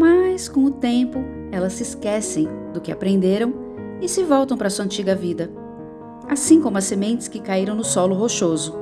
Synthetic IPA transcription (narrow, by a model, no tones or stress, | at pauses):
maskõw̃ʊt̪ẽpʊ | ɛlɐsːɪskɛsẽj̃d̪ʊkɪa̰pɾẽnd̪eɾɐ̃w̃ | ɪsɪvɔwt̪ɐ̃w̃pɾɐsuɐɐ̃nt͡ʃiɡɐvid̪ɐ | asĩkõmʊɐsemẽnt͡ʃ̪ɪ̥skɪkaiɾɐ̃w̃nʊsɔlʊɦoʃozʊ